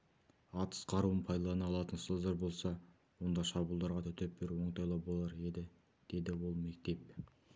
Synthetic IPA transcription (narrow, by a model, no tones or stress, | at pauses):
ɑt̪ə̥sqʰɑɾuwənpʰɑjd̪ɑlˠɑnɑlˠɑt̪ənsəd̪ɑɾbo̞lˠsɑ | wo̞nd̪ɑʃɑbulˠd̪ɑɾʁɑt̪ʰʏt̪ep̚bɪɾwo̞ɴt̪ɑjlˠɑbo̞lˠɑɾe̞d̪ɪ | d̪̥e̞d̪ɪwo̞lˠme̞k̚t̪e̞p̚